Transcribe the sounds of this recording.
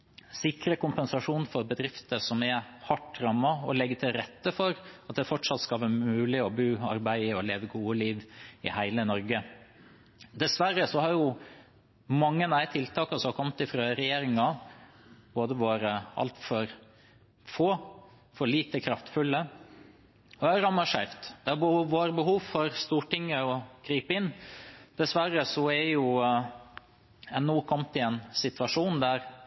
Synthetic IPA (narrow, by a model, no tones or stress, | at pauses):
sɪkɾəkʊmpɛnsɑʂuːnfɔɾbəd̪ɾɪft̪əsɔmɛhɑʈːɾɑmːɑɔ̰lɛɡːət̪ʰɪlɾɛt̪ːəfɔɾɑt̪̚d̪ɛfɔʈʂɑt̪skɑlʋæːɾmʉːlɪɔbʉːɑ̰ɾbæɪɪɔleːʋəɡuːəliːʋɪ̰hæɪlənɔɾɡə | d̪ɛsʋæɾːəsɔhɑɾjʊ | mɑŋːənæɪt̪ʰɪlt̪ʰɑːkɑsɔkʰɔmt̪ɪfɾɑːɾɛjeːɾɪŋɑ | boːd̪əʋɑːɾəɑ̰lt̪fɔɾ | foː | fɔɭiːt̪əkʰɾɑft̪fʉlːə | ɔæɾɑmɑʂæɪft̪d̪̥ɛhɑbəhuːʋoːɾəbəɦuːʋfɔɾst̪uːʈɪŋːəɔkʰɾiːpəɪnːd̪̥ɛsʋæɾəsɔɛjʊ | ɛnːuːkʰɔmːt̪ɪɛnsɪt̪ʋɑʂuːnd̪æɾ